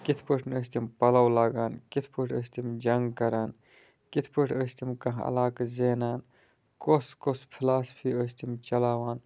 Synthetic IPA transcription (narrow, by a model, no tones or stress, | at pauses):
kit̪ʰpəʈʰnəst̪ʰimpɐlɐwlaːɡaːnkit̪ʰpəʈʰəst̪ʰimd͡ʒɐŋɡkɐɾaːn | kit̪ʰpəʈʰəst̪ʰimkɐ̃ɦɐ̰laːkzeːnaːn | koskospʰilaːspʰiəst̪ʰimt͡ʃɐlaːwaːn